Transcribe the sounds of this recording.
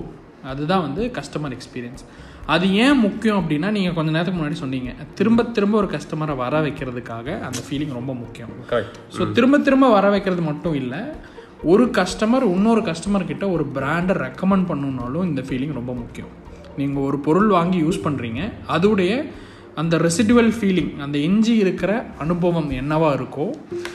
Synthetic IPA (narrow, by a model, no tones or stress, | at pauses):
ɐðɯðãːʋɐnd̪ɯkɐʂʈɐmɐɾɛkspiːɾɪjɐns | ɐðɯẽːmʊkːɪjʊ̃ɐp̬ːɐɽɪnːaːniːŋɡɐkɔɲd͡ʒɐneːɾt̪ɐkːɯmʊnːaːɽisɔnːiːŋɡɐt̪ɪɾɯmbɐt̪ːɪɾɯmbɐɔɾɯkɐʂʈɐmɐɾɐʋɐɾɐʋɐɪkːɪɾɐðɯkːaːɣɐʔɐnd̪ɐfiːlɪ̃ŋɡɾɔmbɐmʊkːɪjʊ̃mkɐɾɛk̚ʈ | soːt̪ɪɾɯmbɐt̪ːɪɾɯmbɐʋɐɾɐʋɐɪkːɪɾɐðɯmɐʈːʊ̃ɪlːɐ | ɔɾɯkɐʂʈɐmɐɾʊnːoːɾɯkɐʂʈɐmɐɾkɪʈːɐɔɾɯbɾaːɳɖɐɾɛkːɐmɛɳɖ̚pɐɳːɯnaːlʊ̃ɪnd̪ɐfiːlɪ̃ŋɡɾɔmbɐmʊkːɪjɐ̰m | niːŋɡɐɔɾɯpɔɾɯɭʋaːŋɡijuːspɐɳːɾiːŋɡɐɐðɯʋɯɽɐjɐ | ɐnd̪ɐɾɪsɪɖuʋɐlfiːlɪŋɐnd̪ɐɛɲd͡ʒiɪɾɯkːɪɾɐɐnɯbɐʋɐmɛnːɐʋaːɪɾɯkːʊ̃ː